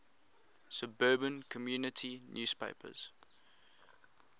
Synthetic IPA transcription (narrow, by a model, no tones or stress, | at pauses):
səbɜːbə̃nkʰɔmjuːnɪtʰinjuːspḛɪpʰə̰z̥